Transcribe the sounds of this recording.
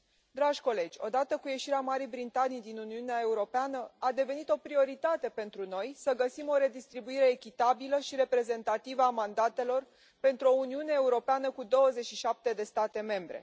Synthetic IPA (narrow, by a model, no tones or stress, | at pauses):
d̪ɾaʒʲko̞le̞d͡ʒʲo̞̰d̪at̪əkuje̞ʃiɾeamaɾijbɾit̪anijd̪inuniuneae̞uɾo̞peanəad̪e̞ve̞nit̪o̞pɾio̞ɾit̪at̪e̞pe̞nt̪ɾuno̞jsəɡəsimo̞ɾe̞d̪ist̪ɾibuiɾe̞ːkʲit̪abiləʃiɾe̞pɾe̞ze̞nt̪at̪ivəamand̪at̪e̞lo̞r | pe̞nt̪ɾuo̞uniune̞ːuɾo̞peanəkud̪o̞wəze̞ʃiʃap̚t̪e̞d̪e̞st̪at̪e̞me̞mbɾe̞̰